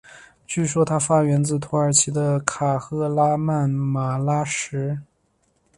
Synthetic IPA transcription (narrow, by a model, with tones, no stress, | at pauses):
t͡ɕy˥˩ʂ̬wɔ˥t̪ʰa˥fa˥ɥɛ˧˥nt͡sɹ̩˥˩t̪ʰu˧˥ə˞˨˩t͡ɕʰi˧˥d̪ə˧kʰa˨˩xɤ˥˧la˥ma˥˩nma˨˩la˥ʂɻ̩˧˥